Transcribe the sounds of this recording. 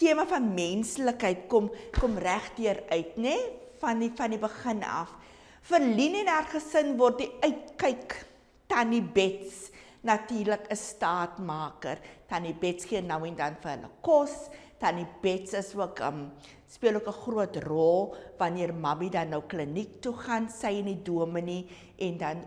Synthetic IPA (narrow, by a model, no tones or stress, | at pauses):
tiəməfɐnmɛnsləkɦəjtkɔmkɔmræχdiəɾœɥtnɛfɐnifɐnibəχənɐ̰f | fərlinɛnaːrχəsənvɔrt̚diœɥt̚kɛjk | tɐnibɛts | nɐtiːrləkəstɑːtmɑːkərtɐnibɛtsχiənːɐwɛndɐnfərɦə̰lə̰kɔs | d̥ɐnib̥ɛtsəsuəkəm | spiəluəkəχruətrɔlˠvɐniərmɐbidɐnːəwklənik̚tuχɐnsɛjəniduəməni | ʔɛndɐn